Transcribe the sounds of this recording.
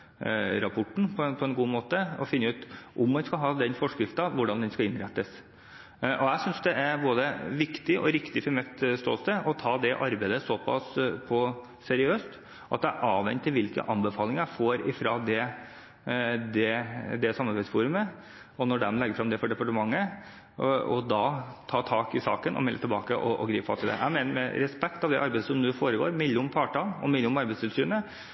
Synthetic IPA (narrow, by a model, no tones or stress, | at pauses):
ɾɑpʰɔʈːɳ̩pʰɔɛnpʰɔɛnɡuːmoːt̪əɔfɪnːəʉːt̪ʔʊmːɛnskɑɦɑːd̪ɛnfɔʂkɾɪft̪ɑʋʊɖɑnd̪ɛnskɑɪnɾɛt̪ːəs | ʔɔæɪsʏnsd̪ɛʔæɾboːd̪əʋɪkt̪ɪʔɔ̰ɾɪkt̪ɪfɔɾmɛt̪st̪o̰ːlsəʔɔt̪ʰɑːd̪ɛʔɑɾbæɪd̪əsɔpʰɑ̰spʰɔː | ɛɾɪøːst̪ | ʔɑt̪d̪æʔɑːʋʋɛ̰nt̪ʰːɪlʋɪlkə̰ʔɑmbəfɑːlɪŋæfoːɾɪfɾɑd̪ɛ | d̪ɛd̪ɛsɑmːɑɾbæɪsfuɾʉmə | ɔnɔɖɛmlɛɡəɾfɾɑmd̪ɛfɔɖɛpɑʈəmɑŋːə | ɔ̰d̪ɑt̪ʰɑːt̪ʰɑːkɪsɑ̰ːkənʔɔ̰mɛlːət̪ʰɪlbɑːkəʔɔʔɔɡɾiːpfɑ̰t̪ʰɪld̪ɛ̰ʔæ̰ɪmeːnəɾmɛ̰ɾɛspɛkt̪ɑʋd̪ɛ̰ʔɑɾbæɪd̪əsɔmnʉːfoːɾəɡo̰ːɾmɪlːəʊmpʰɑːʈɑːlɔ̰mɪlːəʊmɑɾbɛɪst̪ʰɪlsyːnə